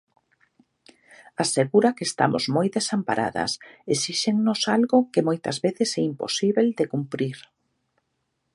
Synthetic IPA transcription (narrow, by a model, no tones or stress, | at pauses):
aseɣuɾakeːst̪a̰mo̰zmojðesampa̰ɾʔa̰ðɐ̰sesiʃeŋnosalɣʊkemojt̪ɐ̰zβeθɪsɛimpo̰siβeld̪ekumpɾiɾ